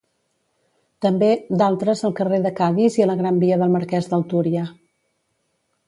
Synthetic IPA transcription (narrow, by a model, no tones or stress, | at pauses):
t̪əmbed̪alˠt̪ɾəzəlˠkəreðəkaðiziələɣɾambiəðəlˠməɾkɛzðəlˠt̪uɾiə